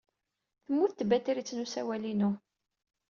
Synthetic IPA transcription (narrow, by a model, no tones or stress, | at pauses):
θəmːuθt̪bæt̪ɾit͡sːnusæwælinu